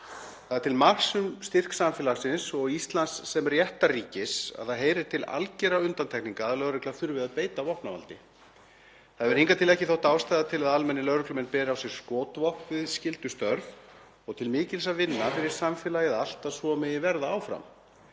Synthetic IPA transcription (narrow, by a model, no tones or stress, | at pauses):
θaðaɾt̪ʰɪlmar̥sʏmst̪ɪr̥ksamfɛːlasɪnsɔɣist̪lansːɛmrjɛht̪aɾiːcɪsa̰ðθaðɦeːjɾɪɾ̥t̪ʰɪla̰lcɛɾaʏnt̪ant̪ʰɛkniŋkaðaðlœːɾʏklaθʏɾvɪðaðpeːjt̪avɔhpnava̰lt̪ɪ | θaðvɛɾ̥hiŋkat̪ʰɪlɛhcɪθɔwht̪aːwst̪aːjðat̪ʰɪlaðalmɛnːɪlœwɾʏklʏmɛnːpɛːɾɪawsjɛɾ̥skɔːt̪vɔhpvɪðscɪlt̪ʏst̪œɾv | ɔɣt̪ʰɪlmɪːcɪlsavɪnːafɪɾɪɾ̥samfɛlajɪðal̥t̪aðsvɔːmɛjɪvɛɾðaaːwfɾa̰m